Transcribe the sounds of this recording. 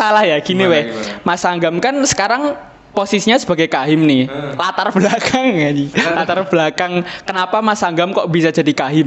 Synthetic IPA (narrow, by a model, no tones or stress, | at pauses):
salahjakiniwemasaŋɡamkansə̥kaɾaŋ | posisiɲasəb̥a̤ɡejkaɦɪmnɪlat̪arb̥lakʰaŋɡailat̪arb̥əlakaŋkənapamasaŋɡamkɔʔbisḁd͡ʒ̥a̤dikaɦɪm